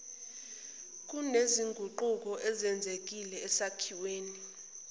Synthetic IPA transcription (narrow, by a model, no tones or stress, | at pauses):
k̬ʼuneziŋɡʱuǃuk̬ɔʔɛzɛnd͡zʱek̬ilɛːsakʰiweːni